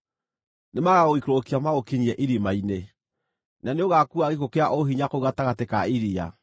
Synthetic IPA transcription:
nemaɣaɣoikɾokiamaɣokiɲiɛʔiɾimaine | naneoɣakuaɣekokeaʔoɦiɲakouɣataɣatekaiɾia̰

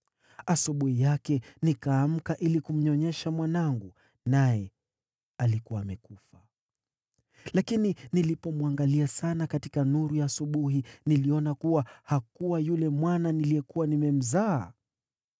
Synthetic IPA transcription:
asuɓuhijakɛnikaːm̩kaʔilikum̩ɲɔɲɛʃamwanaŋɡu | najɛ | alikuwaːmɛkufa | lakininilipɔmwaŋɡaliasanakatikanuɾujaːsuɓuɦiniliɔnakuwahakuwajulɛmwananilijɛkuwanimɛm̩zaː

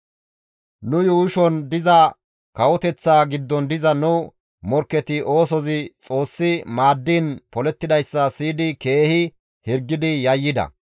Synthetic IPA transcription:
nʊjuːʃɔnd̪ɪzɐ | kɐwɔt̪ɛt͡sːaːɡɪd̪ːɔnd̪ɪzɐnʊ | mɔɾkːɛt̪ɪʔo̞ːsɔzɪt͡sʼo̞ːsːɪmaːd̪ːiːnpɔlɛt̪ːɪd̪ɐjsːɐsiːd̪ɪke̞ːhɪ | hɪɾɡːɪd̪ɪjɐjːɪd̪ɐ̰

